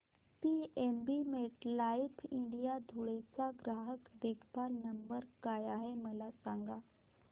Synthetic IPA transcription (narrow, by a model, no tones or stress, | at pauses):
piembimeʈlaipʰĩɳɖijad̪ʱuɭet͡saɡɾaːɦəkd̪ekʰpaɾnəmbəɾkajaɦeməlasãŋɡa